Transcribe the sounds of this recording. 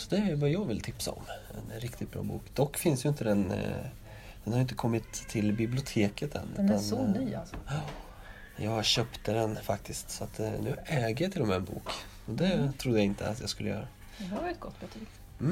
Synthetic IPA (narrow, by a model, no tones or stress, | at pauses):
sɔd̪ɛæjvajɑːɡvɪlt̪ʰɪpsa̰ɔ̰mːɛ̰nɾɪkt̪ɪd̪̚bɾɑ̰ːbṵːkd̪ɔkːfɪnsjɵɪnt̪əd̪ɛn | d̪ɛnhaɾjɪnt̪əkʰɔmːɪt̪ʰːɪlbɪblɪʊt̪ʰeːkət̪ːɛ̰nːʉ̟̰t̪asɔnyːa̰lsɔ | ɛnjɑːɡɕœːpt̪əd̪ɛnfak̚t̪ʰɪst̪sɔat̪nʉ̟ːɛːɡəjat̪ʰɪlɔmæɛnbṵːk | ɔd̪ɛt̪ʰɾud̪əjaɪnt̪ʰə̰a̰t̪jɑɡskɵlːəjœ̰ːɾa | d̪ɛhaɾvɑːɾɪt̪̚ɡɔt̪ːb̥ət̪ʰiːk | m